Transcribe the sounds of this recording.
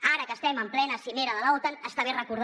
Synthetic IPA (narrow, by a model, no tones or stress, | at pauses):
aɾəkəst̪ɛməmplɛnəsimeɾəðəlaot̪ənəst̪aβerəkuɾð